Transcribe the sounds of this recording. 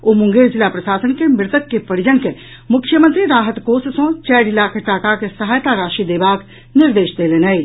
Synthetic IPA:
oːmʊ̃ŋɡeːɾzɪlapɾɐʃaːsənkemɪɾt̪əkːepɐɽɪd͡ʒənke | mʊkʰjəmə̃nt̪ɾiɾaːɦət̪koːssõt͡ʃɛːɽɪlakʰɐʈaːkakesɐɦaːjt̪aɾaːʃid̪eːbaːk | nɪɾd̪eːʃd̪eːlenai

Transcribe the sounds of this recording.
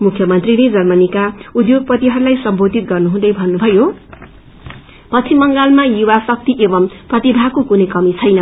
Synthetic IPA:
mukʰjʌmʌnt̪riled͡zʌrmʌnikaud̪joɡ̚pʌt̪iɦʌɾulajsʌmbʱod̪ʱit̪̚ɡʌrnuɦũd̪ʌjbʱʌnːubʱʌjo | pʌt͡sʰimʌŋɡalmajuwasʌk̚t̪iʔebʌmprʌt̪ibʱakokunʌjkʌmit͡sʰʌjnʌ

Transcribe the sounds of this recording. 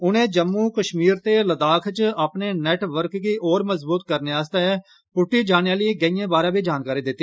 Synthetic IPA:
ʊnẽːd͡ʒəmːũːkəʃmiːɾt̪eːləd̪aːkʰt͡ʃaːpneːnɛːʈʋəɾkɡiːʔoːɾməzbuːt̪kəɾneːaːst̪ɛ | pʊʈːiːd͡ʒaːnjãːləeːɡəijãːbaːɾãːbiːd͡ʒaːnkaːɾiːd̪ɪt̪ːiː

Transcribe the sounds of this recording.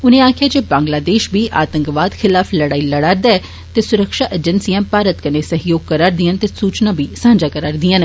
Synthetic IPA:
ʊnẽːaːkʰɪjaːd͡ʒeːbãːŋɡlaːd̪eːʃbʱiːʔa̰ːt̪ə̃ŋkʋaːd̪xʰɪlaːpʰləɽaːiləɽaːɾd̪aːɛ | t̪eːsʊɾəkʃaːʔed͡ʒənsijãːpaːɾət̪kəneːsəɦɪjoːɡ̚kəɾaːɾd̪ɪənt̪eːsuːt͡ʃnãːbʱiːsãːɲd͡ʒaːkəɾaːɾd̪iən

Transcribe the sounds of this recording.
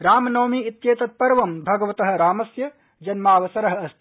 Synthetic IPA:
ɾaːmɐnɐːmiit̪jeːt̪ɐt̪̚pɐɾʋɐmbʱɐɡɐʋɐt̪ɐɦɐ̆ɾaːmɐsjɐ | d͡ʒɐnmaːʋɐsɐɾɐɦɐɐst̪ʰ

